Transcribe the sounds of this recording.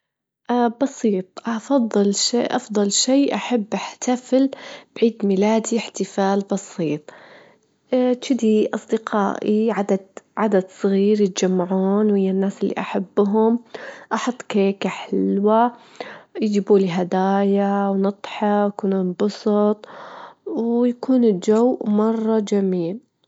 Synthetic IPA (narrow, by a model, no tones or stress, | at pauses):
ʔabɑsiːt̪ˤʔɑfɑðˤːɨlʃḛʔɑfðˤɑlʃeːʔaħabːʔaħt̪ʰafɪlb̥ʕiːd̪milaːd̪iɪħt̪ɪfaːlbɑsiːt̪ˤ | t͡ʃɪd̪iʔɑsˤd̪ɪqʰa̰ːʔiʕad̪ad̪ʕad̪ad̪sˤɣiːɾjɪt̪d͡ʒamːaʕuːnwhɪjːanːaːsɪlːḭʔaħabːɦʊmʔɑħɑt̪ˤːkeːkaħɪlwa | jd͡ʒiːbuːliɦad̪aːjawnɑt̪ˤħɑakunuːnbɑsˤɑt̪ˤwjakuːnɪld͡ʒowmɑrˤːɑd͡ʒamiːl